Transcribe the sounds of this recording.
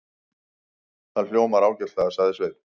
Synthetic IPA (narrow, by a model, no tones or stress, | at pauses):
θanl̥joːwmaɾaːwcɪɾ̥t̪aɣaðsaɣðɪsveːjt̪